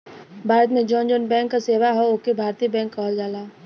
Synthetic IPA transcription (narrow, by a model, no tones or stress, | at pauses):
bʱaːɾət̪̬mẽd͡ʒɔːnd͡ʒonbɛ̃ːŋkːaseːʋaɦoʊkebʱaːɾt̪iːbɛ̃ːŋkːaɦold͡ʒaːlaː